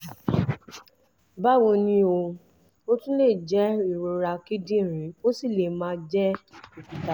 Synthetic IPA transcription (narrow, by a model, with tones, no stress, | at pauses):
ba˦wo˧nĩ˧˦o˧ | o˦tũ˦le˦˨d͡ʒɛ˦i˨ɾo˧ɾa˧ki˦dĩ˦˨ɾ̃ĩ˨˦o˦si˦˨le˨mã˦d͡ʒɛ˦i˨ki˨ta˨